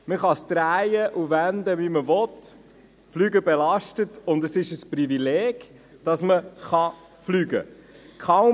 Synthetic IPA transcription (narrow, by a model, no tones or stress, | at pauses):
məχɑst̪ɾæɪjəʔuvændəʋiməvɔt | flyːɡəbɛlɑʃtətʊndəsɪʃəsprivilɛːɡ̥ | d̥ɑsməχɑ | flyːɡə̰kʰaʊ